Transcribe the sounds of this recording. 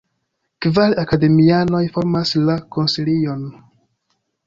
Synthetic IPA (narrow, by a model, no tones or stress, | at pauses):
kvalakade̞miano̞jfo̞ɾmaslako̞nsilion